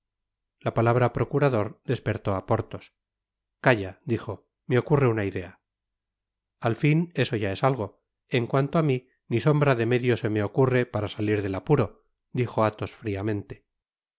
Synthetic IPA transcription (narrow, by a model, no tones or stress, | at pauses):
lapalaβ̞ɾapɾo̞kuɾaðo̞ɾd̪e̞spe̞ɾt̪o̞apo̞ɾt̪o̞s | kaʝad̪ixo̞ | me̞o̞kure̞unaiðe̞a | alfine̞so̞ʝae̞salɣ̞o̞ | e̞ŋkwant̪oami | niso̞mbɾaðe̞me̞ðjo̞se̞me̞o̞kure̞paɾasaliɾðe̞lapuɾo̞ | d̪ixo̞at̪o̞sfɾiamẽ̞nt̪e̞